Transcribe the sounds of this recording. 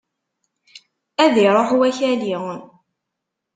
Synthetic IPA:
æðiɾˤoħuwæçæliən

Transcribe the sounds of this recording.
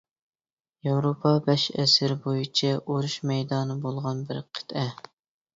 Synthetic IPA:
jewɾopʰɑbɛʃɛ̰sɪɾbojit͡ʃʰɛʔoɾuʃmɛjd̪ɑnɨbolˠʁɑnbɪɾqʰə̥t̪ʰɛ

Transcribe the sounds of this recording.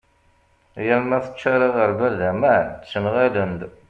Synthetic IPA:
jælmæθə̥t͡ʃːaɾˤaʁəɾvælðæmænt̪sənʁælənd̪

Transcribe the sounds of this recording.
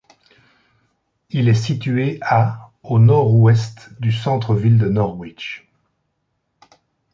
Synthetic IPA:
ilɛsit̪yea | onɔʁwɛst̪d̪ysɑ̃t̪χəvild̪ənɔʁwit͡ʃ

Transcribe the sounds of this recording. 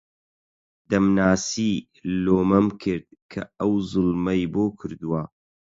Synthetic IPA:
d̪ɐmnaːsi | loːmɐmkʰɨɾd̪̚kʰɐɐwzɨlˠmɐjboːkʰɨɾd̪uwɐ

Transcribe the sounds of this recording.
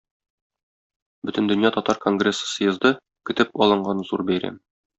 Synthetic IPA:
bɵ̆t̪ɘ̆nd̪ɵ̆njɑt̪ɒt̪ɑɾko̞ŋɡrʲesːə̥sɤjɤ̆zd̪ɤ | kɵ̆t̪ɘpɒlˠɤ̆ɴɢɑnzuɾbæjɾæ̰m

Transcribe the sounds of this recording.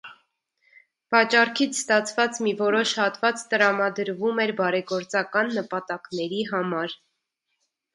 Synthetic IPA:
vɑt͡ʃɑɾkʰit͡sʰst̪ɑt͡sʰvɑt͡smivɔɾɔʃhɑt̪vɑt͡st̪əɾɑmɑd̪əɾvumɛɾbɑɾɛɡɔɾt͡sɑkɑnːəpɑt̪ɑknɛɾiɦɑmɑɾ

